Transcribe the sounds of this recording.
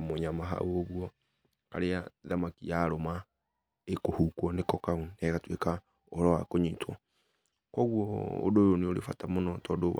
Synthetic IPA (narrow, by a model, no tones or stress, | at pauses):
moɲamaɦa̰oβwɔ | ka̰ɾeaðamakijaɾoma | ekohukwɔnekɔkaunɛɣatweka | oɔɾɔwakoɲitwɔ | kɔɣwɔo̰dojoneolḛfatamonɔtɔdoβ